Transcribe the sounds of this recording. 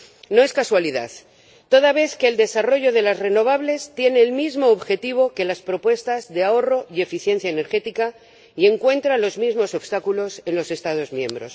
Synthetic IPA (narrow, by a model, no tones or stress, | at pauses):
no̞e̞skaswaliða̰θ | t̪o̞ðaβ̞e̞θke̞ːld̪e̞saro̞ʝo̞ð̞e̞lazre̞no̞β̞aβle̞st̪je̞ne̞ːlmizmo̞ːβxe̞t̪iβ̞o̞ke̞laspɾo̞pwe̞st̪azðe̞ao̞ro̞ie̞fiθje̞nθjaene̞ɾxe̞t̪ika | ie̞ŋkwe̞nt̪ɾalo̞zmizmo̞so̞βst̪akulo̞se̞nlo̞se̞st̪að̞o̞zmjẽ̞mbɾo̞̰s